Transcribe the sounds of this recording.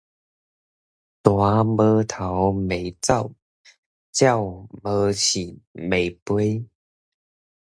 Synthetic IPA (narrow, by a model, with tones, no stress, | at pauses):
t̪wa˨˧˦mə˧˦t̪ʰa˨˦wme˨˩ɪt͡sa˥˨ʊw | t͡ɕja˥˨wmə˧˦t͡ɕʰi˨˩me˨˩jpwe˦˥j